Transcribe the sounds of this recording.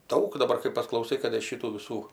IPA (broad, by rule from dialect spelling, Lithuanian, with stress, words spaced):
ˈdɐʊk dɐˈbɐr kɐɪ pɐsklˠɐʊˈsɐɪ kɐt ɪr ˈʃʲɪtuː ʋʲɪˈsuː